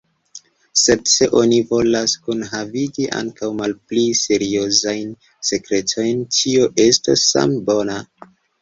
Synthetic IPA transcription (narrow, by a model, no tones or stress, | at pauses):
se̞dse̞ʔo̞nivo̞laskunɦaviɡiʔa̰ŋkawmalpliseɾio̞zajn | se̞kɾe̞tʰo̞jntʰio̞ʔe̞stasa̰mbo̞na